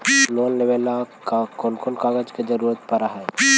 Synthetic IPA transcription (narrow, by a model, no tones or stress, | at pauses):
loːnleʋelakkonkonkaːɡəd͡ʒked͡ʒɐɾuːɾət̪̚pɐɾaɦɛ